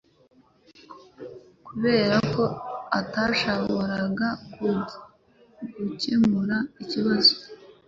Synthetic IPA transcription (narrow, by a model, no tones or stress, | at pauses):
kuβe̞ːɾako̞ataʃaβoɾaɡaku | ɡucemuɾaiciβazo̥